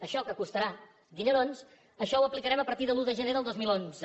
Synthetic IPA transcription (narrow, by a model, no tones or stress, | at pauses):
əʃɔkəkust̪əɾa | ɡiʎəɾons | əʃɔwəplikəɾɛməpəɾt̪iðəlˠuðəʒəneðəlˠd̪ozmilˠonzə